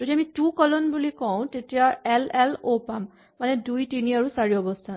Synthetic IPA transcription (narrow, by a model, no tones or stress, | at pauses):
d͡ʒ̥odiamitukɔlɔnbulikɔw̃tetijaɛlɛlopamː | anɛdujtiniaɹusaɹiɔbɔstʰan